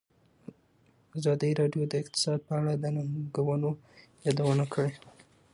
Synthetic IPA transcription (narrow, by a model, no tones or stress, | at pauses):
azɑd̪əɾɑɖjod̪əɪq̚t̪ɪ̥sɑd̪̚pəaɽad̪ənaŋɡawənojɑd̪awənakəɽe